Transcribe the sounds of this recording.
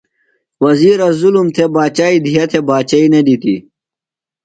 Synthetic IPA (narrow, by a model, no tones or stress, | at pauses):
wɐziːɾɐzulumt̪ʰebaːt͡ɕaːid̪ʱijɐt̪ʰebaːt͡ɕaineɖit̪i